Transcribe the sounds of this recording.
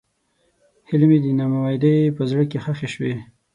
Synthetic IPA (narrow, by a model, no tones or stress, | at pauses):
hɪlmed̪inamawajd̪əjpəzɽəkexaxeʃwe